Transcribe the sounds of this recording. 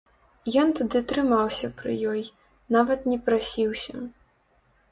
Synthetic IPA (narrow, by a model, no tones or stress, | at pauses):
jɔnt̪ad̪ɨt̪ɾɨmawsʲɐpɾɨ̰jɔj | navɐt̪nʲɛpɾasʲiwsʲɐ